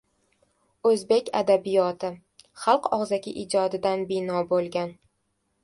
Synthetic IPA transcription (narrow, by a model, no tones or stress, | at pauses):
ɵzbe̞kʲa̰d̪abijɒt̪ʰɪ | χɑlˠqɒʁzaɡʲɪʔɪd͡ʒɒd̪ɪd̪anbɪnɒbolˠɡʲan